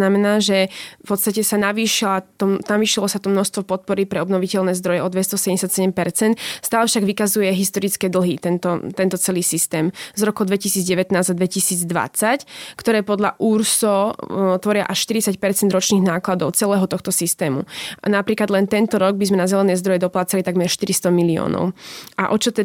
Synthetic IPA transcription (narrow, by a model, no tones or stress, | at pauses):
namɛnaːʒɛfpɔt̪st̪acɛsanaʋiːʃilat̪ɔnaʋiːʃilɔsat̪ɔmnɔst̪ʋɔpɔt̪̚pɔɾipɾɛɔbnɔʋicɛʎnɛːzd̪ɾɔjɛɔd̪ʋɛst̪ɔsɛɲɛsjat̪sɛɟɛmpɛɾt͡sɛnt̪st̪aːlɛfʃaɡʋikazujɛɦist̪ɔɾit͡skɛːd̪l̩ˠɦit̪ɛnt̪ɔt̪ɛnt̪ɔt͡sɛliːsist̪ɛːmzɾɔkɔd̪ʋɛcisiːd͡zɟɛʋɛt̪naːzd̪ad̪ʋɛcisiːd͡zd̪ʋa̰t͡sackt̪ɔɾɛːpɔd̪ʎa̰ʔuɾsɔt̪ʋɔɾɪa̰ʔaʃʃt̪iɾit͡sacpɛɾt͡sɛnd̪ɾɔt͡ʃniːɣnaːklad̪ɔʊt͡sɛlɛːɦɔt̪ɔxt̪ɔsist̪ɛːmṵnapɾiːklad̪lɛnt̪ɛnt̪ɔɾɔɡ̚bizmɛnazɛlɛnɛːzd̪ɾɔjɛd̪ɔplaːt͡salit̪aɡmɛɾʃt̪iɾist̪ɔmiliɔ̰ːnɔ̰ʊʔa̰ʔɔt͡ʃɔt̪ɛ